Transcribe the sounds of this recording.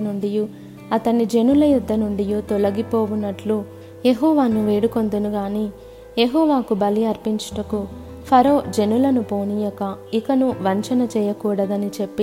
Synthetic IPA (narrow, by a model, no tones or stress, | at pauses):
nuɳɖiju | ɐt̪ɐnːid͡ʒe̞nulɐjud̪ʱːɐnuɳɖijuːt̪ɔlɐɡipoːʋunːɐʈlu | jeɦɔːʋaːnuʋeːɽuko̞nd̪unuɡaːniː | jeɦɔːʋaːkubɐliɐɾpiɲt͡ʃɐ̥ʈɐku | pʰɐɾoːd͡ʒe̞nulɐnupoːnijɔkɐikɐnuʋɐɲt͡ʃɐnɐt͡ʃɛːjɐkuːɽɐd̪ɐnit͡ʃe̞pːi